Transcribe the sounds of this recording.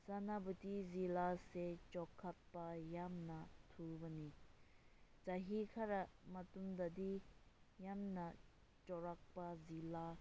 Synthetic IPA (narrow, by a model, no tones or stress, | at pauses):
sanabut̪izilaset͡ʃɔkʰːat̪̚pajamnat̪ʰubani | t͡saɦikʰaɾamat̪umd̪ad̪i | jamna | t͡ʃɔɹak̚pazila